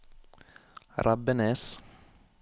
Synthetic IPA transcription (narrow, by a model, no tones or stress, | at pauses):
ɾʔabənɛs